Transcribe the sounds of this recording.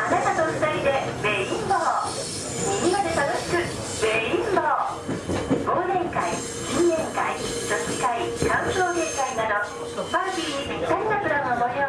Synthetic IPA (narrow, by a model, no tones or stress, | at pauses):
anat̪anosɨ̥t̪aid̪e̞beĩnd̪oː | miɲʲiɡad̪e̞t̪anoɕi̥kɯ̟ | be̞ĩnd̪oː | boːd̪ẽ̞ŋkai | kĩnnẽŋkai | d͡ʑosi̥kaikãɰ̃soːke̞ːkainad̪o̞ | t̪opːaɾt̪ʲiːɲibit̪aɾinapɯ̟ɾamamojo